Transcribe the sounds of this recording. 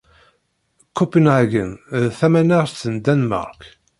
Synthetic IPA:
kʰːupənaɡənðθæmænaʁθənd̪ænmɑ̰ɾˤk

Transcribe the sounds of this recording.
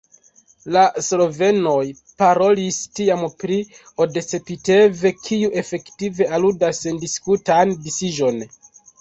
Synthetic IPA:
laslo̞ve̞no̞j | paɾo̞listiampɾi | o̞de̞t͡se̞pite̞ve̞kʰiuʔe̞fe̞ktive̞ʔaludasːendiskutandisid͡ʒo̞n

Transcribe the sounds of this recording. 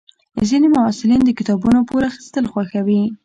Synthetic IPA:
zinemawɑsɪlind̪əkɪt̪ɑbunopoɾaxi̥st̪əlxwaxawi

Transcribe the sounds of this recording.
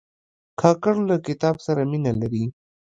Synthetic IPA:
kʰɑkaɾlakɪt̪ɑbsaɾaminalaɾi

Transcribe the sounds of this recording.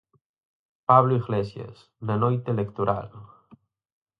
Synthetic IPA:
paβloiɣlesja̰s | nenojt̪elekt̪oɾa̰l

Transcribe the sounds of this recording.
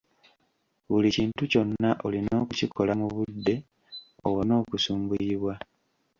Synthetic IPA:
βuliciːntuco̞nːaʔolino̞ːkucikʰo̞lamuβudːe̞ | o̰wono̞ːkusuːmɡuiβwa

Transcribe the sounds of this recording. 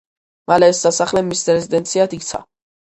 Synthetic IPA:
malɛːsd̪asaχlɛmisɾɛzid̪ɛnt̪sʰiad̪ikt̪sʰa̰

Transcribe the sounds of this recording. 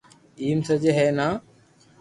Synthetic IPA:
iːmsəd͡ʒeɦeːnaː

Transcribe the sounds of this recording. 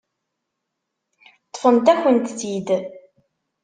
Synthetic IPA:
t̪ˤːfənt̪æçənt̪θid̪

